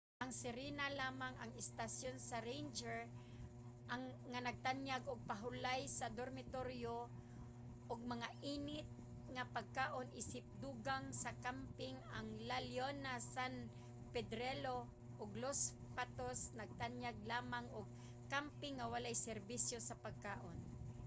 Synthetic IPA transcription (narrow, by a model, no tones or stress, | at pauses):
ʔaŋsɪɾinalaːmaŋa̰ŋɪst̪asjonsaɾejnd͡ʒɛɹ | ʔaŋŋanaɡ̚t̪anjaɡʔʊɡ̚paɦʊlajsad̪oɾmɪt̪oɾjo | ʔʊɡ̚maŋaʔiːnɪt̪̚ | ŋapaɡ̚kaːʔonʔisɪp̚d̪uɡaŋsakampɪŋaŋlaljonasan | pɛd̪ɾɛlo | ʔʊɡlos | pat̪osnaɡ̚t̪anjaɡ̚laːmaŋʊɡ̚ | kampɪŋːawalajsɛɾbisjosapaɡ̚kaːʔon